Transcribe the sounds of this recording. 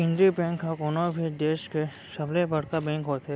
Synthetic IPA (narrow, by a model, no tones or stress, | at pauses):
kɪ̃nd̪ɾibɛ̃ŋkːakonobʱiɖeːʃke | ʃəblebəɽkabɛ̃ŋkɦot̪ɛ